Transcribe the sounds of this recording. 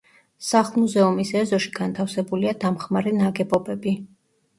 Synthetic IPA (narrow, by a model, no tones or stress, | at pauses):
saχlˠmuzɛumisɛzɔʃiɡ̥ant̪ʰafsɛbuliad̪amχmaɾɛnaɡɛbɔbɛbi